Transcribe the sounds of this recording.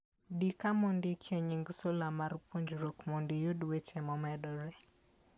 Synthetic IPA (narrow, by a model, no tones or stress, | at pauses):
dikamɔndɪkʰjɛɲiŋɡsolamaɾpʰoɲd͡ʒɾokmɔndɪjodwet͡ʃɛmɔmɛdɔɾe